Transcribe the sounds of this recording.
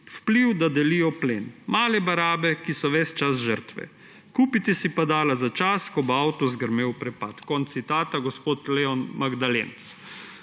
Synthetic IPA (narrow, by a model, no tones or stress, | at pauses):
wpliwd̪ad̪ɛlijɔplenmaːlɛbaɾaːbɛkisɔʋɛst͡ʃasʒəɾt̪ʋɛ̰ | kuːpit̪ɛsipad̪aːlazat͡ʃaskɔboawt̪ɔzɡəɾmeːwpɾɛpat̪kɔnt̪ːit̪aːt̪aɡɔspoːt̪lɛɔnmaɡd̪alḛns